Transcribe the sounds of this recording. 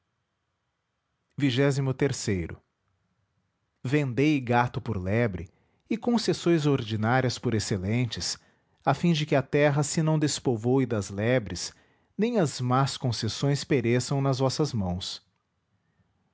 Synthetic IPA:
viʒɛzimʊt̪eɾsejɾʊ̰ | vẽnd̪ejɡat̪ʊpʊɾlɛbɾɪ̰ | ɪkõsesõj̃zoɾd͡ʒinaɾiɐspʊɾeselẽnt͡ʃɪs | afĩd͡ʒɪkɪɐt̪ɛɦɐsɪnɐ̃w̃d̪espovowɪd̪ɐzlɛbɾɪs | nẽj̃ɐzmaskõsesõj̃speɾesɐ̃w̃nɐzvɔsɐzmɐ̃w̃s

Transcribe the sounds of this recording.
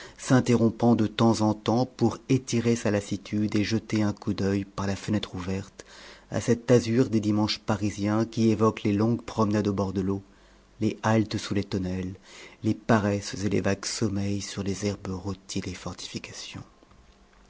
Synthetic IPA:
sɛ̃t̪eʁɔ̃pɑ̃d̪ət̪ɑ̃zɑ̃t̪ɑ̃puʁet̪iʁesalasit̪ʰyd̪eʒət̪eɛ̃kud̪œjpaʁlafənɛt̪χuvɛʁt̪a̰sɛt̪azyʁd̪ed̪imɑ̃ʃpaʁizjɛ̃kʲievɔklelɔ̃ɡpχɔmnad̪obɔʁd̪əlo | leʔalt̪sulet̪ɔnɛlːepaʁɛszelḛvaɡsɔmɛjsyʁlezɛʁbʁut̪ʰid̪efɔʁt̪i̥fikasjɔ̰̃

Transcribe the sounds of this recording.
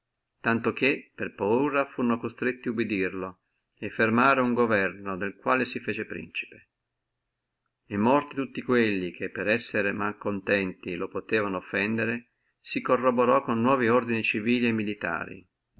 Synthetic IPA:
t̪ant̪ok̟epːerpauːɾafuɾnokost̪ɾet̪ːiubid̪irlo | efːermaːɾeuŋɡovɛrnod̪elkwaːlesifeːt͡ʃepɾḭnt͡ʃi̥pe̥ | emːɔrt̪it̪ut̪ːikwelːik̟ʰepːeɾɛsːeɾemalkont̪ɛnt̪ilopot̪eːvanoːfːɛnd̪eɾe | sikorːoboɾɔkːonːwɔːviord̪init͡ʃiviːliemːilit̪a̰ːɾḭ

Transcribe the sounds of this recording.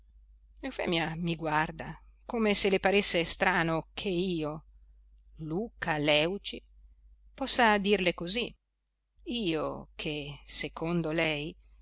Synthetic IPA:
ewfɛ̰ːmiamiɡward̪akoːmeselepaɾesːest̪ɾaːnokʰeiiːo | luːkalɛwt͡ʃi | pɔsːad̪irlekozi | iːokʰesekond̪olɛj

